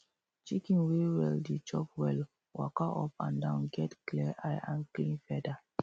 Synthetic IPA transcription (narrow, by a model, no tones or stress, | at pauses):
t͡ʃikĩnwewɛldit͡ʃɔpwɛl | wa̰kaʔɔ̰pã̰ndãʊ̃nɡɛtklɛʔajãnklĩnfɛda